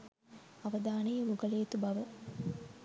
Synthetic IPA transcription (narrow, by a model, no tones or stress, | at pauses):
ɐʋɐd̪aːnɐjɐmuɡɐleːt̪ubɐʋɐ